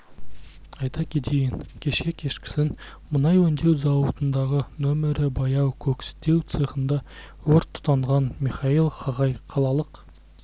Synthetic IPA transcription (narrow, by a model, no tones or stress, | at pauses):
ɑjt̪ɑkʲʰe̞t̪ejɪnkʲʰe̞ʃe̞kʲʰe̞ʃkʲɪ̥sɪn | mənɑjwɵnd̪e̞wzɑwət̪ənd̪ɑʁənomɪɾɪbɑjɑwkʲʰɵkʲɪ̥st̪e̞wt̪sɨχənd̪ɑ | wɵɾt̪ʰːʊ̥t̪ɑɴʁɑnmiχɑilˠχɑʁɑjqʰɑlˠɑlˠəq